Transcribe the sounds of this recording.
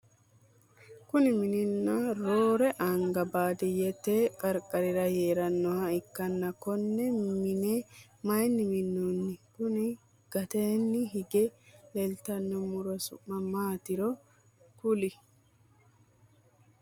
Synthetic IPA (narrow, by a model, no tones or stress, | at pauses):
kʊnɪmɪnɪnːɐɾoːɾɛʔɐŋɡɐbaːd̪ɪjɛt̪ːeːkʼɐɾkʼɐɾɪɾɐjeːɾɐnːɔhɐɪkːɐnːɐkɔnːɛmɪnɛ | mɐjnːɪmɪnːunːɪkʊnɪ | ɡ̥ɐt̪eːnːɪɦɪɡɛlɛlt̪ɐnːɔmʊɾɔsʊ̰mːɐmaːt̪ɪɾɔ | kʊlɪ